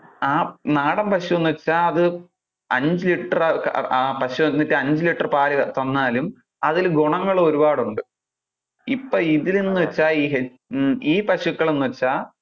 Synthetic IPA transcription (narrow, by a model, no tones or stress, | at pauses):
aːnaːɽɐmpɐɕuenːuʋɐt͡ɕːaːɐðɨ | ɐɲd͡ʑɨliʈːɐrkːpɐɕuenːɐtːɨɐɲd͡ʑɨliʈːɐrpaːlɐɣɐt̪ɐnːaːlum | ɐðilɡoɳɐŋːɐɭoɾubaːɽuɳɖɨ | ipːoːiðilenːɨʋɐt͡ɕːaːiːɦe | iːpɐɕukːɐɭenːuʋɐt͡ɕːaː